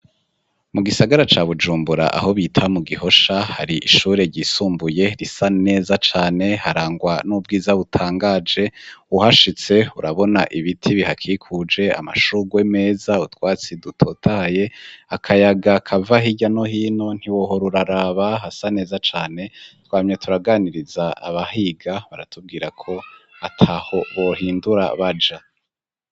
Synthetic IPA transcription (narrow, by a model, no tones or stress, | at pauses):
muɡisaɡaɾat͡ʃaβud͡ʒuːmbuɾa̰ʔa̰ɦo̞βiːtʰamuɡiho̞ʃahaɾiʔiʃuːɾe̞ɾɟiːsuːmbuje̞ɾisane̞ːzat͡ʃaːne̞haɾaːŋɡwanub̚ɡiːzaβutʰaːŋɡaːd͡ʒe̞uhaʃit͡se̞uɾaβo̞naʔiβitʰiβihakʰiːkʰud͡ʒe̞a̰ma̰ʃuɡweme̞ːzautwaːt͡sidutʰo̞tʰaje̞akʰajaɡakʰavaɦiɟano̞hiːno̞n̥hiwo̞ɦoɾuɾaɾaːβaɦasane̞ːzat͡ʃaːne̞twaːmɲe̞tʰuɾaɡaːniɾizaa̰βaɦiɡaβaɾatʰub̚ɡiːɾakʰo̞atʰaho̞βo̞hiːnduɾa̰βad͡ʒa